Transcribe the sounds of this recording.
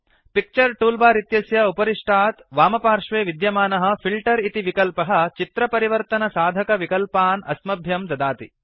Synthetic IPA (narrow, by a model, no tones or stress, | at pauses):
pik̚t͡ʃɐɾʈuːlbaːɾit̪jɐsjɐupɐɾiʂʈʰaːt̪ʋaːmɐpaːɾʂʋeːʋid̪jɐmaːnɐɦɐ̆pʰilʈɐɾit̪iʋikɐlpɐɦɐ̆t͡ʃit̪ɾɐpɐɾiʋɐɾt̪ɐnɐsaːd̪ʱɐkɐʋikɐlpaːnɐsmɐbʱjɐmd̪ɐd̪aːt̪i